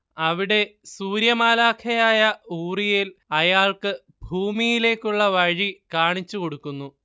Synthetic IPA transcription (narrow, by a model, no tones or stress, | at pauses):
ɐʋiɽe̞suːɾjɐmaːlaːkʰɐjaːjɐuːrijilɐjaːɭkɨ | bʱuːmijile̞ːkːuɭːɐʋɐɻikaːɳit͡ɕːuko̞ɽukːunːu